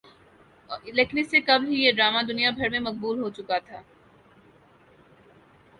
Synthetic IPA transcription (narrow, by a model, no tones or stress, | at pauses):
leːknisekɐbɦijeɖɾaːmad̪ʊnijabʱɐɾmẽmɐq̚buːlɦot͡ʃʊkat̪ʰaː